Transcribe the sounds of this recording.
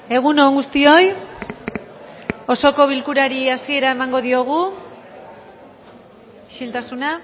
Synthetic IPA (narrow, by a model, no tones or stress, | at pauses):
e̞ɣ̞uno̞ŋɡust̪io̞j | o̞so̞ko̞βilkuɾaɾiasie̞ɾae̞maŋɡo̞ðio̞ɣ̞u | ʃilt̪asuna